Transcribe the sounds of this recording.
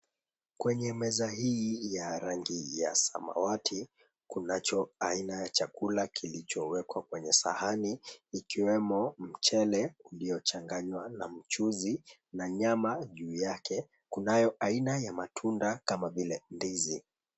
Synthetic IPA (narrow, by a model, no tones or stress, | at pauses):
kwɛɲɛmɛzahijaɾaŋɡija̰sa̰ma̰watʰi | kunat͡ʃɔainajat͡ʃakulakʰilit͡ʃɔwɛkwakwɛɲɛsa̰haniːkiwɛmɔm̩t͡ʃɛlɛulijɔt͡ʃaŋɡaɲwanam̩t͡ʃuzinaɲamaʄuːjakʰɛ | kunajɔʔainajamatʰundakamavilɛndizi